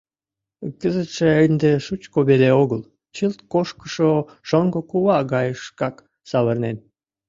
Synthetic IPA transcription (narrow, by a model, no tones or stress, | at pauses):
kəzət̪ʃeend̪eʃut͡ɕkoβeleoɣəl | t͡ɕəlt̪koʃkə̥ʃo | ʃoŋɡokuβɑɣɑjəʃkɑk | sɑβərnen